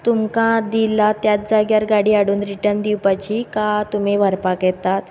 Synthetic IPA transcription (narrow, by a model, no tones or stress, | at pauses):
t̪umkãd̪ilat̪jat̪̚d͡zaɡjaɾɡaɽiːaɽuːnɾiʈəɾnd̪iwpat͡ɕikat̪umeʋəɾpakjɛt̪at̪